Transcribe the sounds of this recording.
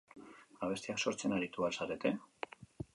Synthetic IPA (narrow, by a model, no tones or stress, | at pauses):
aβe̞st̪iakso̞ɾt͡se̞naɾit̪ualsaɾe̞t̪e̞